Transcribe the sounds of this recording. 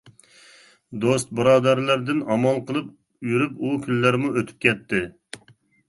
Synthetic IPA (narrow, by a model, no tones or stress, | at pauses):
d̪ost̪̚bɨɾɑːd̪æɾlˠæɾd̪ɪnɑmɑlˠqəlˠɨp̚ | jyɾypukʲʰynːæɾmuøt̪ʰy̥p̚kʲɛt̪ʰːɪ